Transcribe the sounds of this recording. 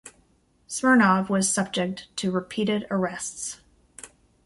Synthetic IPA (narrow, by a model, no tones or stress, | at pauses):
smə˞nɑvwʌz̥sʌb̚d͡ʒɨk̚ttʰɨɹɨpʰiɾɪɾə˞ɛsts